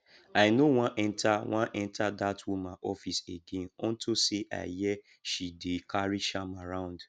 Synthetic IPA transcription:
aɪnowãnʔɛ̃ntʰawãʔɛ̃ntʰadatwumãʔɔfiseɡẽnɔ̃ntʰoseʔa̰ɪjɛ | ʃidekʰaɹiʃamaɾãʊ̃nd

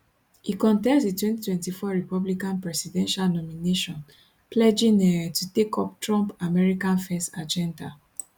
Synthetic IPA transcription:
ikɔ̃ntɛ̃nsditwɛ̃ntitwɛ̃ntifɔɹipɔblikãnpɹɛsidɛ̃nʃalnɔmineʃɔ̃n | pʰlɛd͡ʒĩnɛtutekʰɔptɹɔ̃mpamɛɹikãnfɛstad͡ʒɛ̃nda̰

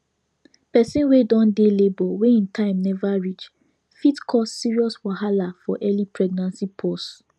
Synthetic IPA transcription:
pɛsĩnwedɔ̃ndelebɔweĩntʰãɪ̃mnɛvaɹit͡ʃ | fitkʰɔsːiɹiɔswaɦalafɔʔɛlipʰɹɛɡ̚nãnsipʰɔs

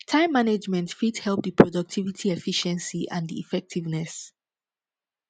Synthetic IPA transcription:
tʰãɪ̃mːaned͡ʒmɛ̃ntfidhɛlˠp̚ðəpʰɹɔdɔk̚tʰivitʰiɛfiʃɛ̃nsiʔãndiḭfɛk̚tʰivnɛs

